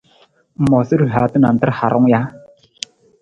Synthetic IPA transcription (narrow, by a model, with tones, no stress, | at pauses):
mɔ˨sə˦ɾɦa˨˦tə˦na˨n̩˨tə˦ɾha˨ɾʔʊ˦ŋ˦ja˦